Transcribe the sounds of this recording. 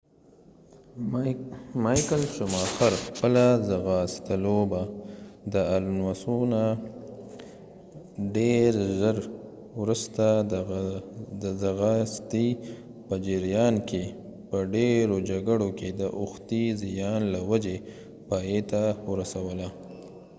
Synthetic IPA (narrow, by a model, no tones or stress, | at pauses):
mɑjkəlʃʊmɑxaɾxpəlazaɣɑst̪alobad̪əalunwasuna | ɖeɾʒəɾ | wɾust̪a | d̪əzaɣɑst̪i | pəd͡ʒɪɾjɑnkʰe | pəɖeɾod͡ʒaɡəɽoked̪əʔʊxt̪izijɑnlawad͡ʒe | pɑjet̪awəɾasawəla